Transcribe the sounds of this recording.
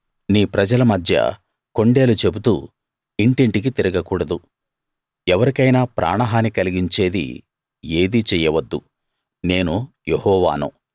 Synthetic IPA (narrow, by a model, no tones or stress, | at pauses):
niːpɾɐd͡ʒɐlɐmɐd̪ʱjɐ̰ | ko̞ɳɖe̞ːlut͡ʃe̞but̪ṵː | iɳʈiɳʈik̬it̪iɾiɡɐkuːɽɐd̪u | ɛʋɐɾikɐjnaːpɾʔa̰ːɳɐɦaːnikɐliɡiɲt͡ʃe̞ːd̪ḭ | e̞ːd̪it͡ʃɛːjɐʋɐd̪ːu | ne̞ːnu | jehɔːʋa̰ːnṵ